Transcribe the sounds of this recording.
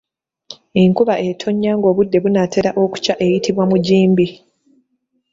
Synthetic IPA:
eŋkuβaʔetʰo̞ɲːaːŋɡo̞ːβudːe̞βunate̞ɾaʔo̞ku̥caʔe̞jitiβwamuɟiːmbi

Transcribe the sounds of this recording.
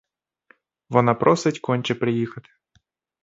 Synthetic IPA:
ʋɔnapɾʔɔsɪtʲkɔnʲt͡ʃɛpɾɪjixɐt̪ɪ̥

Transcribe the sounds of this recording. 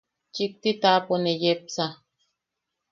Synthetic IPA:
t͡ʃik̚t̪it̪aponejep̚sa

